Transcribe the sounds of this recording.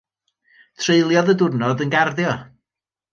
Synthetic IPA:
tʰreɨlˠjɔðədʊrnɔdənɡarðjɔ

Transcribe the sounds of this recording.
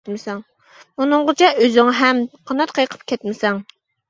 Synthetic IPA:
mɪsɛŋ | unɨŋʁət͡ʃʰɛøzɪŋɦɛmqʰɑnɑt̪̚qʰəjqʰə̥p̚kʲʰɛt̪mɪsɛŋ

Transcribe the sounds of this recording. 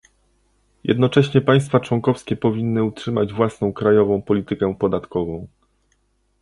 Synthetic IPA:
jʔɛ̰d̪nɔt͡ʂɛɕɲɛpaj̃st̪fat͡ʂwɔŋkɔfskʲɛpɔvʲinːɘutʂɘmad͡ʑvwasnɔ̃w̃kɾajɔvɔ̃w̃pɔlʲit̪ɘkɛpɔd̪at̪kɔvɔ̃w̃

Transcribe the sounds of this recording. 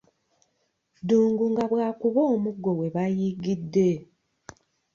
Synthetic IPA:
duːŋɡuŋɡaβwaːkuβoːmuɡːo̞we̞βajiɡidːe̞

